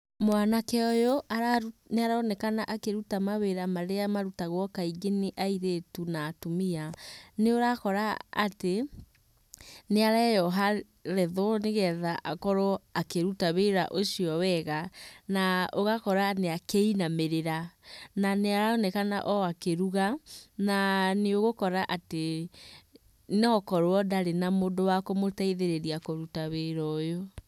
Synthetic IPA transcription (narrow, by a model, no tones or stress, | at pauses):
mwanakɛɔjoʔaɾaneaɾaɔnɛkanaʔakeɾutamaβeɾamaɾeamaɾutaɣwɔkaiɡeniʔaiɾetunaːtomianeoɾakɔɾa̰ːte | neaɾɛjɔɦa | ɾɛðɔneɣɛðaʔakɔɾɔakeɾutaβeɾa̰ʔoʃiɔwɛɣanaoɣakɔɾaneakeinameɾeɾananeaɾaɔnɛkanaʔɔakeɾuɣananeoɣokɔɾaʔate | neɔkɔɾoɔdaɾenamodowakomotaiðeɾeɾiakoɾutaβeɾɔjo